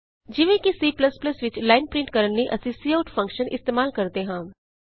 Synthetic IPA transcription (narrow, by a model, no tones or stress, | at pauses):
d͡ʒɪʋẽːkisiːpləspləsʋɪt͡ʃlaːɪnpɾɪ̃ɳʈkəɾənːiʔəsĩsiːaʊʈpʰə̃ŋkʃənʔɪ̰st̪eːmaːlkəɾd̪eːɦãː